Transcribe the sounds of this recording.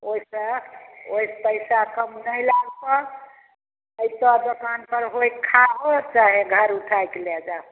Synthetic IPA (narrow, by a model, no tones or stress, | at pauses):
oisəoispəjsakəmnəjlaɡkə | əit̪ɔd̪okanpəɾɦojkʰːabɔt͡ʃaɦeɡʱəɾuʈʰajkelɛd͡ʒa